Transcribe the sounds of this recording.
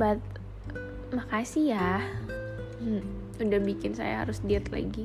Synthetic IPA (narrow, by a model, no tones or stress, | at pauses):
bat̪̚ | makasijah̩ | udahbikɪnsa̰ja̰ɦa̰ɾʊsdiat̪la̰ɡi